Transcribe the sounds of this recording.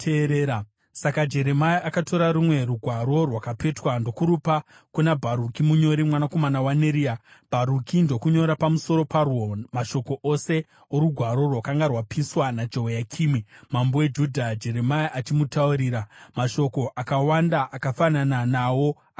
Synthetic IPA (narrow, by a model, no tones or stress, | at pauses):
teɾeɾ | sakad͡ʒe̞ɾe̞majiakatʰo̞ɾaɾumwe̞ruɡʱwaɾo̞rwakape̞twando̞kuɾupa | kunabʱaɾukimuɲo̞ɾimwanako̞manawaneɾiab̥ʱaɾukʰindo̞kuɲo̞ɾapamuso̞ɾo̞parwomaʃo̞ko̞ʔo̞se̞ | oɾuɡʱwaɾo̞rwakaŋɡarwapʰiswanad͡ʒowojakʰiːmwimambo̞wed͡ʒudʱad͡ʒe̞ɾe̞maiʔat͡ʃimutauɾiːɾamaʃo̞ko̞ʔakawandaʔakafanananawo̞